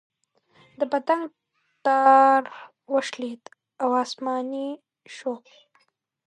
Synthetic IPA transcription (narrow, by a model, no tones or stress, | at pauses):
d̪əpat̪aŋ | t̪ɑɾ | wəʃlit̪ | awɑsmɑni | ʃo